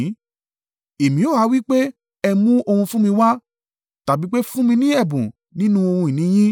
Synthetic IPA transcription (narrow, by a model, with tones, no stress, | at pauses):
e˨mĩ˨˦o˦˨a˨˦wi˦k͡pe˦ | ɛ˧mũ˦o˧hũ˧fũ˦mĩ˧wa˦ | ta˨bi˨˦k͡pe˦fũ˦mĩ˧nĩ˦ɛ˦˨bũ˨ | nĩ˦nũ˦o˧hũ˧i˨nĩ˨˦j̃ĩ˦